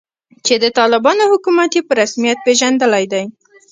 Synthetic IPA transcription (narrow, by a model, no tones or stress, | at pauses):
t͡ʃed̪ət̪ɑlɪbɑnohʊkumat̪jepəɾasmijat̪̚peʒand̪əlajd̪aj